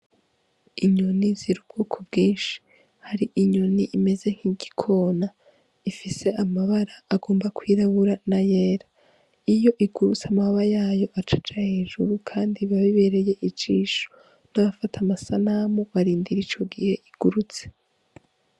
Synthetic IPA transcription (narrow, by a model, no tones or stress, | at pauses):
iɲoniziɾub̚ɡ̥uːkʰobɡiːnʃi̥ | haɾiʔiɲoniʔime̞ze̞ŋ̥hiɡikʰo̞ːna | ifise̞ʔamaβaɾaːɡo̞ːmbakwiːɾaβuɾanajeːɾa | ijo̞ʔiɡ̥uɾut͡samahβajaːjo̞ʔat͡ʃḁt͡ʃahe̞ːʒuɾukʰaːndiβaβiβe̞ɾe̞je̞ʔit͡ʃiːʃo̥ | naβafatʰamasanamoβaɾiːndiɾit͡ʃo̞ɡihe̞ʔiɡ̥uɾut͡se̥